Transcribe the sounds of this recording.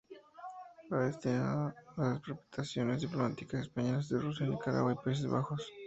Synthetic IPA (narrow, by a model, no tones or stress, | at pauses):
baðest̪inaðlaspɾope̥t̪asjo̞nezðiplo̞mat̪ikasespaɲelazðerus̬janikaɾa̰ɣwaipais̬ezβa̰xo̞s